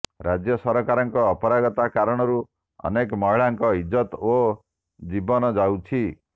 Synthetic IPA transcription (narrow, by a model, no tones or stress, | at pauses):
ɾad͡ʒjɔsɔɾɔkaɾɔŋkɔːpɔɾaɡɔt̪akaɾɔɽ̃ɔɾu | ɔ̰nekɔmɔɦiɭaŋkɔɦid͡ʒɔt̪o | d͡ʒibɔnɔd͡ʒawt͡ʃʰi